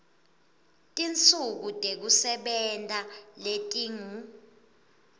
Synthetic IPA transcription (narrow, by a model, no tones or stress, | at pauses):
tʼint͡sʼʰuk̬utʼek̬usɛɓɛntʼaletʼiŋu